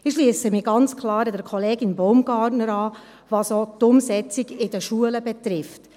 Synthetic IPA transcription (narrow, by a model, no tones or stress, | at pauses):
ɪʃliəsəmiɡɑnt͡skʰlɑːɾədəɾkʰɔleːɡɪnboʊmɡ̥ɑːtnəɾɑː | ʋɑsotʊmsɛt͡siɡɪdəʃuələbɛt̪ɾɪft